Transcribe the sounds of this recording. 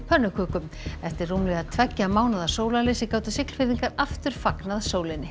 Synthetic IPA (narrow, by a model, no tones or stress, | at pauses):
pʰœnːʏkʰʏːkʏm | ɛft̪ɪɾruːmlɛɣaðt̪ʰvɛcːamaːwnaðḁsoːwlaleːsɪkaːwt̪ʏsɪkl̥fɪɾðiŋkaɾaft̪ʏɾ̥faknaðasoːwlɪnːɪ